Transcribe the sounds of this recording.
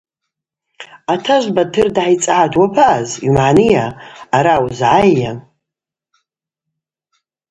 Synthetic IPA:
atʰaʒʷbatʰɨrdʕajt͡sʼaʕadwapʰaʔːzimʕanɨjaːɾawzʕajːa

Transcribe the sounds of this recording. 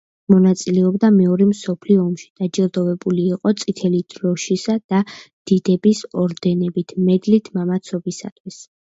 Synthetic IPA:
mɔnat̪sʼilɛɔbd̪amɛɔɾɛmsɔpʰliɔːmʃi̥d̪̥ad͡ʒɛld̪ɔvɛbuliːqʼɔt̪sʼit̪ʰɛlid̪̥ɾɔʃisad̪̥a | d̪̥id̪ɛbisɔɾd̪ɛnɛbit̪ʰmɛd̪lit̪ʰmamat̪sʰɔbisa̰t̪ʰwis

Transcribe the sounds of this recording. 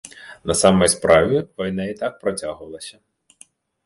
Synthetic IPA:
nɐsɑmɔjspɾɑʋʲiʋɔjnɛit̪ɑk̚pɾɔtʲaɦʊʋɐlˠɐsʲɐ

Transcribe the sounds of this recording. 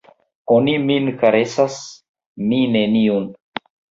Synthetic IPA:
oniminkaɾesas | mineniun

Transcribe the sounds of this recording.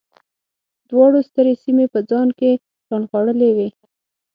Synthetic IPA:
d̪wɑɽost̪əɾesimepəd͡zɑnke | kɑnxwaɽəlewe

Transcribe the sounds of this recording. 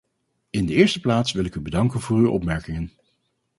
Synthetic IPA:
ɪndəɪːɹstəplaːtsʋɪlˠɪkybədɑŋkənv̥ʊːryʔɔ̰pmɛɹkɪŋən

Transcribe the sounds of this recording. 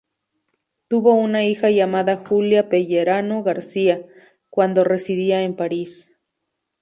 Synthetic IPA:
t̪uβounaixajiamaðaxuljapeʝeɾanoɣaɾsia | kwand̪oresiðiaempaɾis

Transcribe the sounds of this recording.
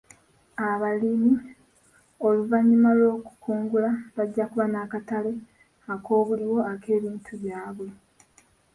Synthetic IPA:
aβalimi | o̞luvaɲːumalo̞ːku̥kʰuːŋɡulaβaɟːakuβanaːkatale̞ | akʰo̞ːβuliwo̞akʰe̞ːβiːntʰuβjaːβwe̞

